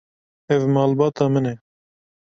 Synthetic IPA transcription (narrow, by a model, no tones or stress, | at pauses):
ɛvmɑːlbɑːt̪ɑːmɨnɛ